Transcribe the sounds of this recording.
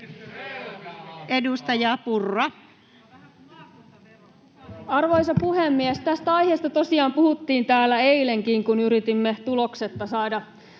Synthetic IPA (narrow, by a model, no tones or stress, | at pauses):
e̞dust̪ɑjɑpurːɑ | ɑrʋo̞jsɑpuhe̞mːiest̪æst̪æɑjhe̞ːst̪ɑt̪o̞siɑːmpuhut̪ːiːnt̪æːlːæe̞jle̞ŋkiŋkunyɾit̪imːe̞t̪ulo̞kse̞t̪ːɑsɑːdɑ